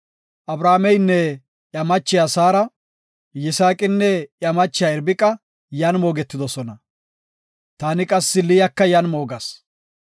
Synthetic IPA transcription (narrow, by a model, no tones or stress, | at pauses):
ʔɐbɾaːmɛjnːɛ | ʔjɐmɐt͡ʃːɪjasaːɾɐ | jɪsaːkʼɪnːɛʔjɐmɐt͡ʃːɪjaːɛɾbɪkʼːɐ | jɐnmo̞ːɡɛt̪ːɪd̪ɔsɔnɐ | t̪aːnɪkʼɐsːɪlɪjɐkːɐjɐnmo̞ːɡɐs